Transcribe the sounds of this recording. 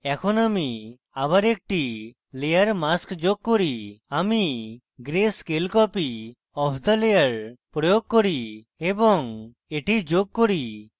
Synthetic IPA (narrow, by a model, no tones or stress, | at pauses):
ɛkʰɔnami | aβaɾek̚ʈi | lejəɾmaskd͡ʒoɡ̚kɔɾiami | ɡɾeskelkɔpi | ɔpʰd̪əlejəɾpɾɔjoɡ̚kɔɾi | ebɔŋ | eʈid͡ʒoɡ̚kɔɾi